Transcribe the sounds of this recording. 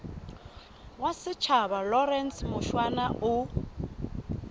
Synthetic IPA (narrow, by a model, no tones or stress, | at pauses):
wasɪt͡ʃʰabalɔrɛnsmʊʃwanaʔʊ